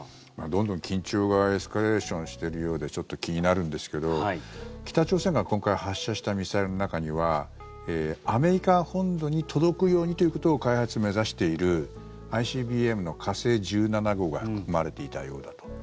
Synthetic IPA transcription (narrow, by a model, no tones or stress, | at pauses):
mad̪õ̞nd̪õ̞ŋkʲĩɲt͡ɕo̞ːɡae̞sɨ̥kaɾe̞ːɕõ̞ɰ̃ɕi̥t̪e̞ɾɯ̟jo̞ːd̪e̞t͡ɕo̞t̪ːo̞kʲiɲ̟inaɾɯ̟̃nd̪e̞sɨ̥ke̞d̪o̞kʲi̥t̪at͡ɕo̞ːse̞ŋɡakõ̞ŋkaihaɕːaɕi̥t̪amʲisaiɾɯno̞nakaɲ̟iβa | eːame̞ɾʲikahõ̞nd̪o̞ɲ̟it̪ʰo̞d̪o̞kɯ̟jo̞ːɲ̟it̪o̞jɯ̟ko̞t̪oːkaihat͡sɨme̞zaɕi̥t̪e̞iɾɯ̟ | aiɕiːbʲiːe̞mɯ̟no̞kʰase̞ːd͡ʑɨːnanaɡo̞ːɡaɸɯ̟kkɯ̟̥kɯmaɾe̞t̪e̞it̪a̰jo̞ːd̪at̪o̥